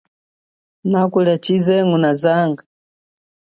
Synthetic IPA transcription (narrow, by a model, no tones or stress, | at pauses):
nakulɛt͡ʃizɛŋunazaŋɡa